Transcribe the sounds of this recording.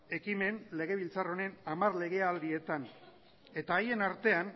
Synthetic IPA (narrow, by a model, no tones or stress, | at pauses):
e̞kime̞nle̞ɣ̞e̞β̞ilt͡saro̞ne̞namarle̞ɣe̞ald̪ie̞t̪an | e̞t̪aːje̞naɾt̪e̞an